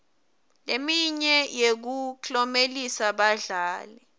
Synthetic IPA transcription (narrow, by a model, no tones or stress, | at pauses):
lemiɲɛjek̬ukɔmelisaɓaɮaːlɛ